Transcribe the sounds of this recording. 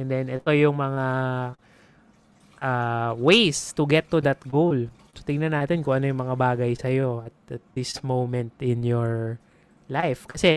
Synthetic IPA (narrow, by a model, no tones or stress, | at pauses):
ʔɛnd̪ɛnɛt̪o̞jʊŋmɐŋa | ʔawejst̪ʊɡɛt̪ːud̪ɐt̪̚ɡowl | sɐ̥t̪ɪŋnɐnːaːt̪ɛnkʊŋʔɐno̞jʊŋmɐŋabaːɡɐjsɐjo̞ɐt̪̚ɐt̪̚d̪ɪsmowmɛnt̪ɪnjɔɹ | lajfkɐsɛ